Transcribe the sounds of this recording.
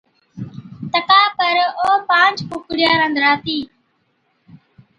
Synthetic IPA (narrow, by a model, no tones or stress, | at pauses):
t̪əkaːpəɾoːpãːnt͡ʃpʊːkɽjaːɾə̃nd̪ɾaːt̪iː